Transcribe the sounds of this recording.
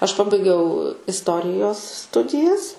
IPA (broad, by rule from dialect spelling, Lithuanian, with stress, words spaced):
ɐʃ ˈpɑːbɐɪɡʲɛʊ ɪsˈtoːrʲɪjoːs ˈstʊdʲɪjɛs